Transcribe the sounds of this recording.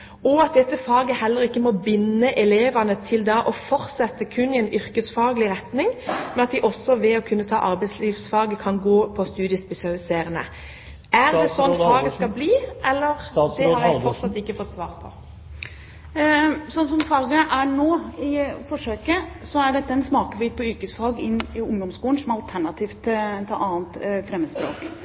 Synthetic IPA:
ɔɑt̪̚d̪ɛt̪ːəfɑːɡəhɛlːəʁɪkːəmɔbɪnːəʔɛleːʋɑnət̪ʰɪld̪ɑʔɔfɔʁt̪sɛt̪ːəkʰʉnːɪɛnʏɾkəsfɑːɡəlɪʁɛt̪nɪŋmɛnɑt̪d̪ɪʔɔsːɔʋɛɔkʰʉnːət̪ʰɑ̰ːʔɑʁbæɪsliːʋsfɑːɡəkʰɑnɡoːpʰɔst̪ʉːd̪ɪəspɛsɪɑlɪseːʁənə̰ | æʁɛsɔnːfɑːɡəskɑlbliːɛlːəʁd̪ɛhɑʁjæfɔʁt̪sɑt̪ːɪkːəfɔt̪ːsʋɑːʁpʰɔ̰ | sɔnːsɔmfɑːɡəʔæɳoːɪfɔʂøːkəsɔæɖɛt̪ːɛnsmɑːkəbyːt̪̚pʰɔyːkəsfɑːɡɪnːɪʊŋd̪ɔmskuːln̩sɔmɑlt̪ʰæɳɑt̪ʰiːft̪t̪ʰɑʔɑːnt̪fɾɛmːəspɾoːk

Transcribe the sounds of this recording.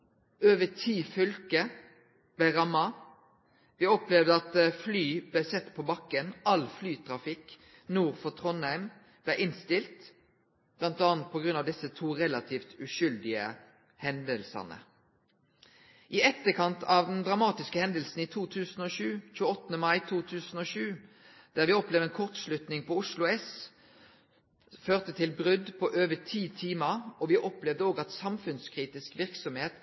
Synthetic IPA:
øːʋət̪ʰiːfʏlkə | b̥læʁɑmːɑ | ʋɪɔplɛʋd̪əɑt̪flyːblæsɛt̪ːpʰoːbɑkːənɑlflyːt̪ʰʁɑfɪk | nuːʁfɔt̪ʰʁɔnhæɪm | b̥lɛːʔɪnst̪ɪlt̪ | b̥lɑnt̪ɑːnt̪̚pʰɔɡʁʉnɑʋd̪ɪsət̪ʰuːʁɛlɑt̪ʰiːft̪ʉʃʏld̪ɪə̰ | hɛnd̪əlsɑ̰nə̰ | ʔiːɛt̪ːəkʰɑnt̪ʰɑʋd̪ɛnd̪ʁɑmɑːt̪ɪskəhɛnd̪əlsn̩iːt̪ʰuːt̪ʰʉːsn̩oːʃʉːc͡çʉːəɔt̪ːnəmɑɪt̪ʰuːt̪ʰʉːsn̩oːʃʉː | d̪̥æːʁʋɪɔpleːʋd̪ɛːnkʰɔʁt̪ʃlʉt̪nɪŋpʰɔʊʂlʊɛs | føːʁt̪ət̪ʰɪlbʁʏd̪pʰɔʔøːʋət̪ʰiːt̪ʰiːməʁɔʋɪʔɔplɛʋd̪əoːɡɑt̪sɑmfʉnskʰʁiːt̪ɪskʋɪʁksɔmheːt̪

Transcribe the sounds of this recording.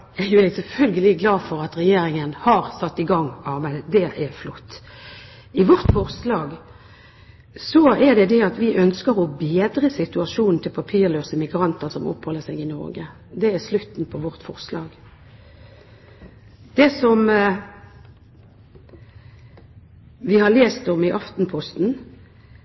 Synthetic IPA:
æjʊɛɡsɛlfœlɡəlɪɡlɑːfɔɾɑt̪ʁɛjeːɾɪŋənhɑɾsɑt̪ːɪɡɑŋːɑːbæd̪ɛʔɛflɔt̪ː | ɪʋɔʁt̪fɔʁslɑːɡ | sɔæʁɖ̪ɛd̪ɛɑt̪ʋɪʔœnskəɾɔbeːd̪ɾəsɪt̪ʉɑʃuːnn̩t̪ʰɪlpʰɑpʰiːʁløːsəmɪɡɾɑnt̪əʁsɔmɔ̰phɔlːəsɛɡɪnɔ̰ɾɡə | d̪ɛæslʉt̪n̩pʰɔʋɔʁt̪fɔʁslɑ̰ːɡ | d̪̥ɛsɔm | ʋɪhɑleːst̪ɔmɪʔɑft̪n̩pʰɔst̪n̩

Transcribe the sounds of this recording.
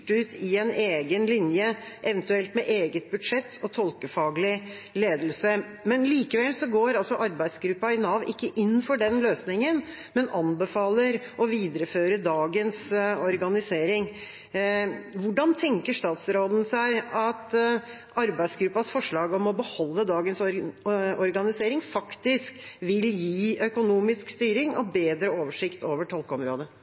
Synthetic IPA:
ʈʉːt̪ʰɪɛneːɡənlɪnjəʔɛʋənt̪ʉɛlt̪mɛʔeːɡət̪̚bʉd̪ʂɛt̪ʰːɔt̪ʰɔlkəfɑːɡlɪleːd̪əlsə | mɛnliːkəʋɛlsɔɡoːɾɑlsɔʔɑɾbæɪd̪sɡɾʉpːɑɪnɑːʋɪkːəʔɪnːfɔɖɛnløːsnɪŋən | mɛnʔɑnbəfɑːləɾ | ɔʋiːd̪ɾəføːɾəd̪ɑːɡənsɔɾɡɑnɪseːɾɪŋ | ʋʊɖɑnt̪ʰɛŋkəʂt̪ɑːt̪sɾoːd̪n̩sæɪɑt̪ | ɑɾbæɪsɡɾʉpːɑsfɔʂɭɑːɡɔmɔbəhɔlːəd̪ɑːɡəns | ɔɾɡɑnɪseːɾɪŋfɑkt̪ɪskʋɪljiːœkʊnuːmɪskst̪yːɾɪŋɔbeːd̪ɾəoːʋəʂɪkt̪ʰoːʋəʈʰɔlˠkəɔmɾo̰ːd̪ə

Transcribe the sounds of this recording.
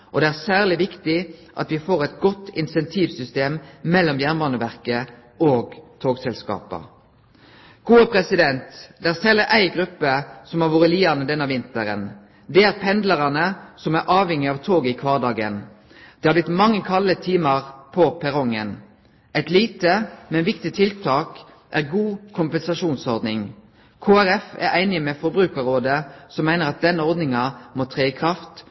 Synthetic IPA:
ʔɔd̪ɛæːʁsæːʁlɪʋɪkt̪ɪʔɑ̰t̪ʋɪfoːʁɛt̪ɡɔt̪ːɪnsɛnt̪ʰiːʋsʏst̪eːmmɛlːɔmjæʁnmɑnʉʋæʁkə | oːɡt̪ʰoːɡsɛlskɑ̰ːpə̰ | ɡ̥uːəpʰɾɛsɪd̪ɛnt̪d̪ɛæːʁsɛlːəʔæɪɡʁʉpːəsɔmɑʁʋoːʁəliːɑnəd̪ɛnːəʋɪnt̪əɾə̰n | d̪ɛæʁpʰɛnd̪ləʁɑnəsɔmæɾʔɑːʋhɛŋːɪɑːʋt̪ʰoːɡɪkʰʋɑːʁd̪ɑːɡə̰n | d̪̥ɛhɑɾblɪt̪mɑŋːəkʰɑlət̪ʰiːməʁpʰɔpʰæɾɔŋːə̰n | ʔæɪt̪liːt̪əmɛnʋɪkt̪ɪt̪ʰɪlt̪ʰɑːk | ʔæʁɡuːkʰʊmpɛnsɑʃuːnsɔɾd̪nɪŋ | kʰoːæɾɛfæ̰ɾæɪnɪmɛfɔɾbɾʉːkəɾoːd̪əsɔmːæɪnəɾʁɑt̪̚d̪ɛnːəɔɾd̪nɪŋɑmot̪ʰʁeːɪkʰʁɑft̪

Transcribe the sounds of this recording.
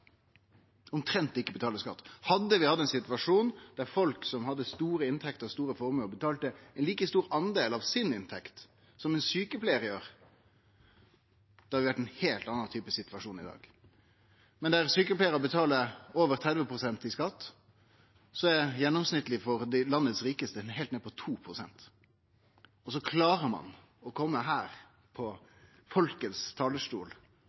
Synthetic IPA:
ʊmt̪ʰɾɛnt̪ɪkːəbət̪ʰɑːləskɑ̰t̪ːhɑd̪ːəʋɪhɑd̪ːɛnsɪt̪ʉʋɑʂuːnd̪̥æʁfɔlksɔmhɑd̪ːəst̪uːɾəɪnt̪ʰɛkt̪əʁst̪uːɾəfɔɾmøːbət̪ʰɑːlt̪əɛnliːkəst̪uːɾɑnd̪eːlɑʋsɪnɪnt̪ʰɛkt̪ | sɔmɛnsyːkəpleɪəʁjøːʁ | d̪̥ɛhɑɾʋɪʋæʈːɛnheːlt̪ɑnːɑnt̪ʰyːpəsɪt̪ʋɑʂuːnɪ̰d̪ɑ̰ːɡ | mɛnd̪æɾsyːkəplæɪɾəbət̪ʰɑːləɾoːʋəɾt̪ʰɾɛd̪ʋəpʁʊsɛnt̪ɪskɑt̪ː | sɔæjɛnːɔmsnɪt̪ːəlɪfɔɾd̪ɪlɑnːət̪sɾiːkəst̪əhɛːlt̪neːd̪əpʰɔt̪ʰuːpʰɾʊsɛ̰nt̪ | ɔsɔkʰlɑːʁəmɑ̰n | ɔkʰɔmːəɦæːɾ | pʰɔ | fɔlkət̪st̪ʰɑːləʂʈṵːl

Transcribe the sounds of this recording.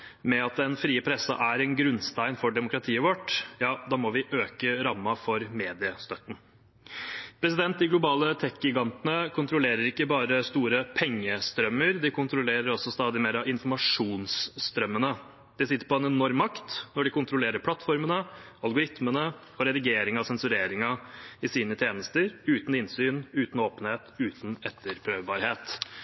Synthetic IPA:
mɛɑt̪̚d̪ɛnfɾiːəpʰɾɛsɑ̰ʔæɾɛnɡɾʉnst̪æɪnfɔɖɛmʊkɾɑt̪ʰiːəʋɔʈːjɑːd̪ɑːmɔʋɪʔøːkəɾɑmːɑfɔɾmeːd̪ɪəst̪œt̪ːn̩ | pʰɾɛsɪd̪ɛnt̪̚d̪ɪɡlʊbɑːlət̪ʰɛkɡɪɡɑnt̪ənəkʰʊnt̪ʰɾʊleːɾəɾɪkːəbɑːɾəst̪uːɾəpʰɛŋːəst̪ɾœmːəɾd̪ɪkʰʊnt̪ɾʊleːɾəɾɔsɔst̪ɑːd̪ɪmeːɾɑʋɪnfɔɾmɑʂuːnsːt̪ɾœmːənə | d̪̥ɛsɪt̪ːəɾpɔɛnɛnɔɾmːɑkt̪nɔɖɪkʊnt̪ɾʊleːɾəɾpʰlɑt̪ːfɔɾmənəɑlɡʊɾɪt̪mənə | ɔɾɛd̪ɪɡeːɾɪŋɑʋsɛnsʉɾeːɾɪŋɑɪsiːnət̪ʰjeːnəst̪əɾʉːt̪n̩ɪnsyːnʉːt̪n̩oːpənheːt̪ʉːt̪n̩ɛt̪ʰːəɾpʰɾøːʋbɑːɾheːt̪

